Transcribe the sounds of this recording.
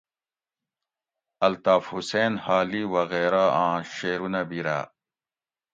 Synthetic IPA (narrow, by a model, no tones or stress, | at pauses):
ɐlt̪aːfhuseːnhaːliwɐɣeːɾaãːɕeːɾunɐbiɾa̰ː